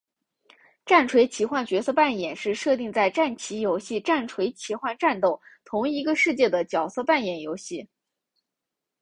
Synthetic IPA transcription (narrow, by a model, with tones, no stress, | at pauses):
ʈ͡ʂa˥˩nʈ͡ʂʰwe˧˥ɪt͡ɕʰi˧˥xwa˥˩nt͡ɕɥɛ˧˥sɤ˥˧pa˥˩njɛ˨˩nʂɻ̩˥˧ʂɤ˥˧t̪i˥˧ŋt͡sa˥˧ɪʈ͡ʂa˥˩nt͡ɕʰi˧˥jo˧˥ʊɕi˥˩ʈ͡ʂa˥˩nʈ͡ʂʰwe˧˥ɪt͡ɕʰi˧˥xwa˥˧nʈ͡ʂa˥˧nt̪o˥˩ʊt̪ʰʊ˧˥ŋi˧˥ɡə˧ʂɻ̩˥˧t͡ɕjɛ˥˩d̪ə˩t͡ɕjɑ˨˩ʊsɤ˥˧pa˥˩njɛ˨˩njo˧˥ʊɕi˥˩